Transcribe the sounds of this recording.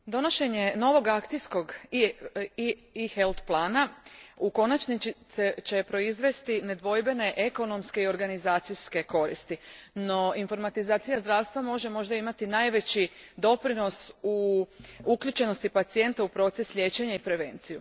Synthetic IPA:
d̪o̞no̞ʃe̞ɲe̞no̞ʋo̞ɡakt̪sijsko̞ɡ | ixelt̪plˠaːnauko̞nat͡ʃniset͡ʃe̞pɾo̞izʋe̞st̪ine̞d̪ʋo̞jbe̞ne̞ʔeko̞no̞mskeio̞ɾɡanizaːt̪sijske̞ko̞ɾḭst̪ino̞info̞ɾmat̪izaːt̪sijazd̪ɾaːʋst̪ʋamo̞ʒe̞mo̞ʒd̪aimat̪inaːjʋe̞t͡ɕid̪o̞pɾino̞su | uklʎut͡ʃe̞no̞st̪ipat̪sije̞nt̪aupɾo̞t̪sesʎʲe̞t͡ɕe̞ɲaipɾe̞ʋe̞̰nt̪siju

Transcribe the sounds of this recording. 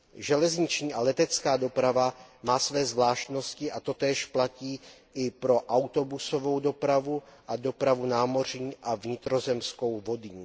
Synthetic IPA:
ʒɛlɛzɲɪt͡ʃɲiːʔalɛt̪ɛt͡skaːdo̞pɾavamaːsvɛːzvlaːʃt̪no̞scɪʔat̪o̞t̪ɛːʃplaciːʔɪpɾo̞ʔawt̪o̞buso̞vo̞wdo̞pɾavuʔado̞pɾavunaːmo̞r̝ɲiːʔavɲɪt̪ɾo̞zɛmsko̞wvo̞dɪɲ

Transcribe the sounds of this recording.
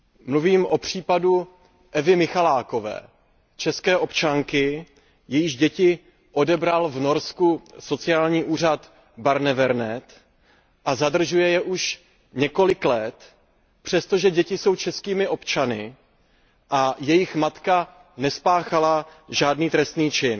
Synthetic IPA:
mluviːmʔo̞pr̝̥iːpadu | ʔɛvɪmɪxalaːko̞vɛ̰ː | t͡ʃɛskɛːʔo̞pt͡ʃaŋkɪ | jɛjɪɣɟɛcɪ | ʔo̞dɛbɾalvno̞ɾskuso̞t͡sɪaːlɲiːʔuːr̝at̪ | baɾnɛvɛɾnɛt̪ | ʔazadr̩ʒujɛjɛʔuʃ | ɲɛko̞lɪklɛt̪ | pr̝̥ɛst̪o̞ʒɛɟɛcɪso̞wt͡ʃɛskiːmɪʔo̞pt͡ʃanɪ | ʔajɛjɪxmat̪ka | nɛspaːxalaʒaːdniːt̪ɾɛst̪niːt͡ʃɪn

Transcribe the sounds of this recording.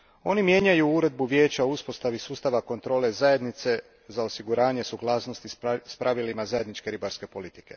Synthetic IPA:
o̞nimje̞ːɲajuuɾe̞d̪̚buʋjeːt͡ɕaouspo̞st̪aʋisuːst̪aʋako̞nt̪ɾo̞ːle̞zajed̪nit̪se̞ | zaosiɡuɾaːɲe̞suɡlˠaːsno̞st̪ispɾʔaʋilimazaje̞d̪nit͡ʃke̞ɾibaɾske̞po̞lit̪i̥ke̞̰

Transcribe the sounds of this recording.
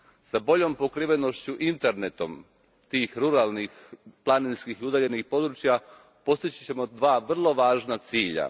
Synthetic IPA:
sabo̞ʎo̞mpo̞kɾiʋe̞no̞ʃt͡ɕuʔint̪e̞ɾne̞t̪o̞m | t̪iːxɾuɾalˠnixplˠaninskixiud̪aːʎenixpo̞d̪ɾut͡ʃja | po̞st̪it͡ɕi̥t͡ɕe̞mo̞d̪ʋaːʋr̩lˠo̞ʋaːʒnat̪siːʎa̰

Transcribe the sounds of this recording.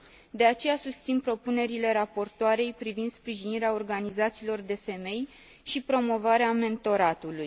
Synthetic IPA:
d̪e̞at͡ʃe̞jasust̪sinpɾo̞pune̞ɾile̞ɾapo̞rt̪oaɾe̞jpɾivind̪spɾiʒiniɾeao̞rɡanizat̪siːlo̞rd̪e̞fe̞me̞j | ʃipɾo̞mo̞vaɾeame̞nt̪o̞ɾat̪uluj

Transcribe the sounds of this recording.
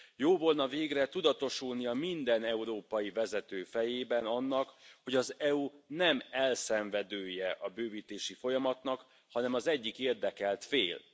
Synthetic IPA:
joːvo̞lnɒveːɡrɛt̪ud̪ɒt̪o̞ʃulniɒmind̪ɛnɛuɾoːpɒjivɛzɛt̪øːfɛjeːbɛnɒnːɒkho̞ɟɒzɛunɛmɛlsɛɱvɛd̪øːjɛʔɒbøːviːt̪eːʃifo̞jɒmɒt̪nɒk | hɒnɛmɒzɛɟːikeːrd̪ɛkɛlt̪feːl

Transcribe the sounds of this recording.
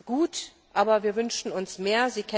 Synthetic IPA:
ɡ̥uːt | ʔaːbɐviːɐvʏnʃn̩ʊnsmeːɐziːkʰɛ

